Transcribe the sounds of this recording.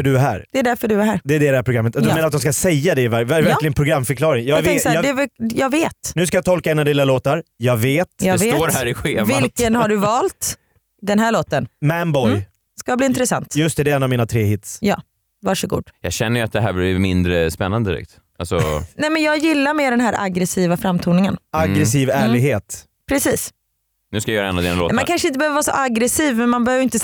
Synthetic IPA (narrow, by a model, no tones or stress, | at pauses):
œɖɵæɦæ̰ːɾd̪ɛɛɖ̪æɾfœɖɵæhæːɾd̪ɛɛɖɛdɛhæɾpʰɾʊɡɾamːət̪ad̪ɔmeːnat̪d̪ɔmskasɛjːad̪ɛɪvævævæɾlɪɡənpʰɾʊɡɾamːfœɾklɑːɾɪŋjɑvɛŋksɑɛjɑɡveːt̪nʉ̟ːskajat̪ʰɔlkaɛnad̪ɪːlːaloːt̪aɾjɑːɡveːt̪jɑveːoːɾhæːɾɪɧeːvvɪlkənhaɖɵvɑːlt̪ | d̪ɛnɦæːɭoːt̪ənmæmbɔj | skabliːɪnt̪ɾɛsa̰nt̪jɵst̪ɛd̪ɛɛnːavmiːnat̪ʰɾeːhɪt̪sjɑ̰ː | vaʂɔɡṵːd̪̥jɑ̰ːɡɕɛnːəjʏat̪̚d̪ɛɦæːblɪmɪnd̪ɾəspɛnːand̪əd̪ɪɾɛ̰kt̪ | alsɔ̰nɛmɛnjɑːɡjɪlːaɾmeːɖɛnɦæːɾʔa̰ɡɾɛsiːvafɾamːt̪ʰuːnɪŋənaɡɾɛsiːvæːɭɪɡheːt̪ | pʰɾɛsiːs | nʉ̟skajajœːɾaɛnːad̪ḛːnalo̰ːmankʰanʂəɪnt̪əbəøːvəvɑːsɔ̰ʔaɡɾɛsiːvmɛnmanbɛhøːvəɾɪnt̪ə